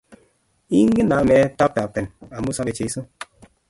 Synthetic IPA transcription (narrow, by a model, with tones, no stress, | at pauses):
i˦ŋ̩˦ɡe˦na˨˦mɛ˨˦ta˦p̚ta˨pe˨na˨mu˦sa˦pe˨t͡ʃe˨˦i˦so˦